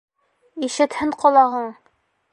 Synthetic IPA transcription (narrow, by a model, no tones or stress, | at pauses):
iʃɘ̆t̪hɘɴqɒlˠɑʁɤɴ